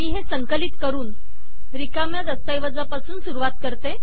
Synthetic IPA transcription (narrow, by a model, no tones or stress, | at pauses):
miːɦesəŋkəlit̪kəɾuːn | ɾikamjad̪əst̪ajʋəd͡zapasuːnsuɾuʋat̪̚kəɾt̪e